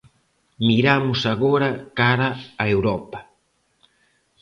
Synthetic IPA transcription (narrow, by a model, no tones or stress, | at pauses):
miɾamʊsaɣoɾɐkaɾaːewɾɔpɐ